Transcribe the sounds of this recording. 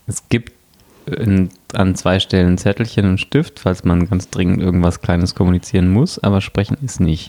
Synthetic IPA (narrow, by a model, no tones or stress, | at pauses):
ʔɛsɡ̥iːpt | n | a̰nt͡sv̥aɪʃtɛlənt͡sɛtl̩çənʊntʃtɪftfalsmanɡant͡sd̥ʁɪŋən̩tʔɪɐɡŋ̩tv̥askl̥aɪnəskʰɔmunit͡siːʁənmʊsʔa̰ːbɐʃpʁ̥ɛçn̩tɛsnɪçt